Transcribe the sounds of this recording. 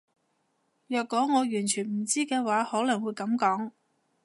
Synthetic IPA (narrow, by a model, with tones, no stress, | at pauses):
jœː˨kːɔː˨˥ŋɔː˨˧jyː˨˩nt͡ʃʰyː˨˩nm̩˨˩t͡siː˥kɛː˧waː˨˥hɔː˨˥lɐ˨˩ŋwuː˨˧jkɐ˨˥mkɔː˨˥ŋ